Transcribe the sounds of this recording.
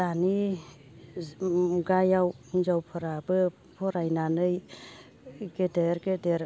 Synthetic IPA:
dani | ɡajawnzawpʰɔɾabɯ | pʰɔɾajnanɯj | ɡedeɾɡedeɾ

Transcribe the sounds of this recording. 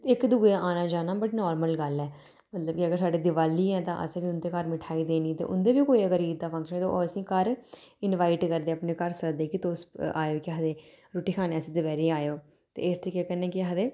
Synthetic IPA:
ɪkd̪uːeʔaːnãːd͡ʒaːnaːbəʈnɔːɾməlɡəlɛː | mət̪ləb̚kiəɡəɾsaːɖiːd̪ɪʋaːliːɛːt̪ã̰ːʔə̰sːbiːʊnd̪eːkəɾmɪʈʰaːiːd̪eːniːt̪ḛːʔʊ̰nd̪eːbiːkoːiːəkəɾiːd̪d̪aːpʰə̃ŋkʃənːt̪ooːəsĩːkəɾɪnʋaːiʈkəɾd̪eːəpneːkəɾsəkd̪eːkɪt̪oːsa̰ːjoːkɪɦəd̪eː | ɾoːʈiːkʰaːnːɛsiːd̪ɪbɛːɾiːaːjoː | t̪ḛːɪst̪əɾiːkːeːkənːeːkɪɦəd̪eː

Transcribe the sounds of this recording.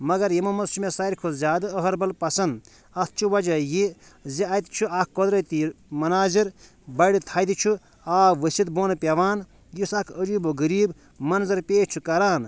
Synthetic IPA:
mɐɡɐɾjimɐmɐzt͡ʃʰumesɐiɾkʰozʲaːd̪ɨəɦɐɾbɐlpɐsɐnd̪ | ɐt̪ʰt͡ʃʰuʋɐd͡ʒɐji | ziɐt̪t͡ʃʰuak̚ʰkod̪ɾɐt̪imɐnaːziɾ | bɐɽit̪ʰɐːd̪it͡ʃʰu | aːʋəsʲid̪boːnpʲɐʋaːn | jisakʰəd͡ʒuboɡəɾiːb | mɐnzɐɾpʲeːt͡ʃʰukɐɾaːn

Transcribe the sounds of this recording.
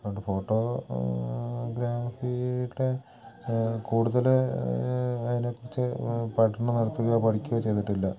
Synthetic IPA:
oɖfo̞ːʈːo̞ | ɡɾaːfiɽe | kuːɽuðɐl | ɐðine̞kːurit͡ɕːɨpɐʈːɐɳɨnɐɽɐt̪ːuɣɐpɐɽikʲːuɣɐt͡ɕe̞jt̪iʈːilːɐ

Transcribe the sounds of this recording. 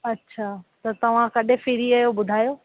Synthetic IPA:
ɐtːɕʰaːt̪ɐt̪ɐʋ̤ãkɐɗʱẽfɪɾiajobʊd̪ʱaːjoː

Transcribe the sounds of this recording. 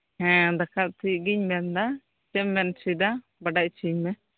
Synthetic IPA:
hɛ̃d̪akʰat̪̚t̪iʔɡiɲmɛnd̪a | t͡ʃɛmːɛnsid̪a | baɖaʔt͡ʃʰimɛ

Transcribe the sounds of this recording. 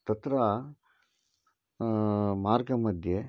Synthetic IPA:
t̪ɐt̪ɾɐ | maːɾɡɐmɐd̪ʱje

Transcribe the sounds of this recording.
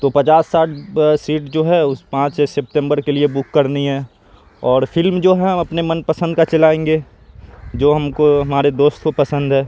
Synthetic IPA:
t̪oːpɐt͡ʃaːsːaːʈ̚ʰsiːʈd͡ʒoːɦɛʊspãːt͡ʃesɪp̚ʈɛ̃mbəɾkeliebʊkːɐɾniɦɛː | ɔːɾfɪlmd͡ʒoːɦɛɦɐmɐpnemɐnpɐsə̃nd̪̚kat͡ʃɐlaːẽːŋɡe | d͡ʒoːɦɐmkoɦɐmaːɾed̪oːst̪kopɐsə̃nd̪ʱɦɛː

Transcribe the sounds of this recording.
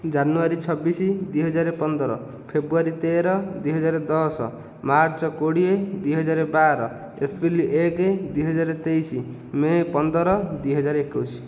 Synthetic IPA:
d͡ʒanuaɾit͡ʃʰɔbːisid̪wuiɦɔd͡ʒaɾepɔnd̪ɔɾɔ̰ | pʰebɾuaɾit̪eɾɔd̪wuiɦɔd͡ʒaɾed̪ɔsɔ̰ | maɾt͡ʃɔkoɽied̪wiɦɔd͡ʒaɾebaɾɔ | epʰiliʔeked̪wuiɦɔd͡ʒaɾet̪ejsi | mepɔnd̪ɔɾɔd̪uijɦɔd͡ʒaɾekusi̥

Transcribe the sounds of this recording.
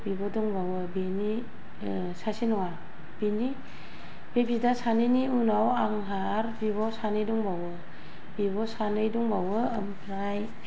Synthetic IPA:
bibɔdɔŋbawɯbeni | sasinɔwa | b̥ini | b̥ebidasanɯniunawaŋɦa | ɾbiβɔsanɯjdɔŋbawɯ | b̥ibɔsanɯjdɔŋbawɯːmpɾaj

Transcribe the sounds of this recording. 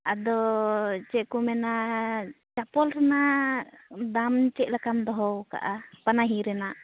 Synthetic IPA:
ad̪ɔt͡ʃɛʔkɔmɛna | t͡ʃapɔlɾɛna | d̪amt͡ʃɛʔ̚lakamd̪ɔɦɔwka̰ʔapanaɦiɾɛnaʔ

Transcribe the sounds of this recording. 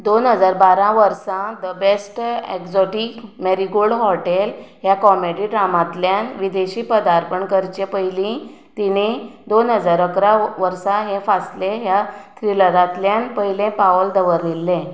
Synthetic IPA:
d̪onɦəd͡zaɾbaɾãʋəɾsãd̪əbesʈekd͡zɔʈikmeɾiɡoɽɦɔʈelɦjakɔmeɽiɖɾamãt̪ljanʋid̪eɕiːpəd̪aɾpəɳkəɾt͡ɕepəjlĩ | t̪inid̪onɦəd͡zaɾəkɾaʋəɾsãɦẽfaslẽɦjat̪ʰɾiləd̪ãt̪ljanpəjlẽpaəld̪əʋəɾːilːẽ

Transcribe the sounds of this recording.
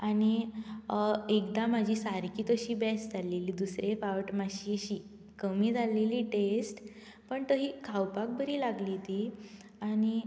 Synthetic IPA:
añi | ekd̪amad͡ʑʱiːsaɾkiːt̪əɕiːbɛsd͡zʱaleliːd̪usɾefaʋʈmaɕiəɕiː | kəmiːd͡zaleliːʈesʈ | pəɳt̪əɦiːkʰawpak̚bəɾiːlaɡlit̪i | añi

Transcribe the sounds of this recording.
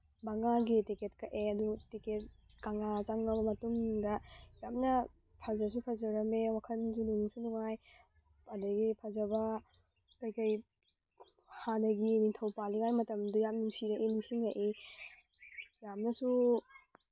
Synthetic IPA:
bɐŋaɡitiket̚kɐʔeɐdutiket̚ | kaŋat͡ʃaŋɡɐbɐmɐtuŋdɐjap̚nɐ | pʰazɐs̬upʰazɐɾɐmewakʰɐnd͡ʒuniŋsunuŋaj | ɐdɐɡipʰazɐbɐ | kɐjkɐj | hanɐɡiniŋtʰɐwpaliŋajmɐtɐmdujam̚nuŋsiɾɐʔinuŋsiŋaʔi | jamnɐsu

